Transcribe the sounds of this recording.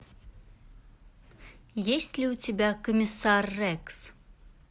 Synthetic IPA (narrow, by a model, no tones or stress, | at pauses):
jesʲtʲlʲiutʲebʲakɔmʲisarːɛks